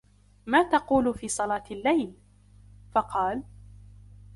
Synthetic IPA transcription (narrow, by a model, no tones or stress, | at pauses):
maːt̪ɑquːlʊfiːsˤɑlɑːt̪ɪlːajl | fɑqɑːl